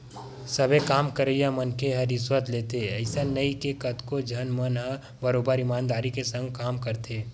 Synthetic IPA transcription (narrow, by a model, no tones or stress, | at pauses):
sɐbʱekaːmkəɾejamənkʰeɦɐɾɪswət̪leːt̪eɛɪsanɐikekɐt̪kod͡ʒʱɐnmənɦə | bɐɾoːbəɾɪmaːnd̪aːɾikesə̃ŋɡkaːmkɐɾt̪eː